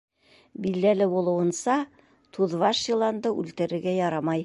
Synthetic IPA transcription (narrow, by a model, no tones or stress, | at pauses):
bild̪ælɘbulˠɤ̆wɤ̆nsɑ | t̪ʰuðvɑʃjɤ̆lˠɑnd̪ɤʔʉ̰lt̪ɘ̆ɾɘ̆ɾɡæjɑɾɑmɑj